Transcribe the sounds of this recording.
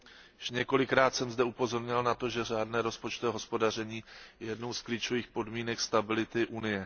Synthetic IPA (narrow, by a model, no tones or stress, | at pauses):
jʃɲɛko̞lɪkɾaːt̪sɛmzdɛupo̞zo̞ɾɲɪlnat̪o̞ʒɛr̝aːdnɛːɾo̞spo̞t͡ʃt̪ovɛɦo̞spo̞dar̝ɛɲiːjɛjɛdno̞wskliːt͡ʃo̞viːxpo̞dmiːnɛkst̪abɪlɪt̪ɪʔunɪjɛ